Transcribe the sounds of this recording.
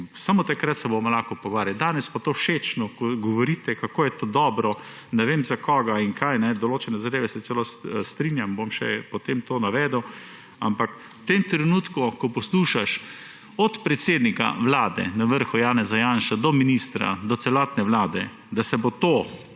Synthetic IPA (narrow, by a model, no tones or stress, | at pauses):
samot̪akɾat̪sɛbomɔlaxkɔpɔɡʋaːɾjad̪aːnɛspat̪oːʃet͡ʃnɔkɔɡɔʋɔɾiːt̪ɛkakoːjɛt̪oːd̪ɔːbɾɔ | nɛʋeːmzakʰɔɡaiŋkʰajnɛd̪ɔloːt͡ʃɛnɛzad̪eːʋɛsɛt̪sɛlost̪ɾinjambomʃɛ̰pɔt̪emt̪oːnaʋɛd̪əw | ampak | wt̪emt̪ɾɛnuːt̪kukɔpɔsluːʃaʃ | ɔt̪pɾɛt̪seːd̪nika̰ʋlaːd̪ɛ̰naʋəɾxujaːnɛzajanʃad̪ɔminist̪ɾa̰d̪ɔt̪sɛlɔːt̪nɛʋlaːd̪ɛ | d̪asɛbot̪oː